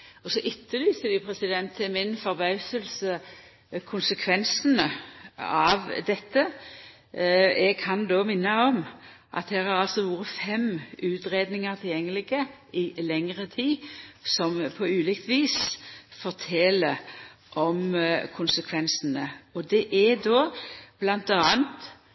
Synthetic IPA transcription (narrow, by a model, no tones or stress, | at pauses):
ɔsɔʔɪt̪ʰːəlyːsəʋɪpʰɾɛsɪd̪ɛnt̪ʰːɪlmɪnfɔɾbɑʉsəlsə | kʰʊnsəkʰʋɛnsənə | ɑʋd̪ɛt̪ːə | ɛɡ̚kʰɑnd̪oːmɪnːəɔm | ʔɑ̰t̪̚d̪æːɾhɑɾɑlsɔʋuːɾəfɛmʉːt̪ɾeːd̪nɪŋəɾt̪ʰɪljɛŋːəlɪɡə | ɪlɛŋʁət̪ʰiːsɔmpʰɔʉːlɪkt̪ʰʋiːsfɔʁt̪ʰɛlə | ʔɔmkʰʊnsəkʰʋɛnsənəɔd̪ɛʔɛd̪oːb̥lɑnt̪ɑːnt̪